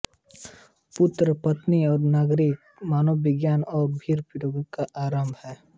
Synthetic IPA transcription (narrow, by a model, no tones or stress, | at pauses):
pʊt̪ɾəpət̪niɔːɾnaːɡɾɪk | maːnoːɪɡjaːnɔːɾbʱiːɾpɪɾoːɡkaʔaːɾəmbʱɦɛː